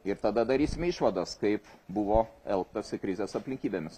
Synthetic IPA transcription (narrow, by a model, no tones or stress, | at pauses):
ɪɾt̪ɐd̪ɐd̪ɐɾʲiːsʲɪmʲɛɪʃʋɐd̪ɐskɐɪpbʊʋoːɛlˠkt̪ɐsʲɪkɾʲɪzʲeːsɐpʲlʲɪŋʲkʲiːbʲeːmʲɪs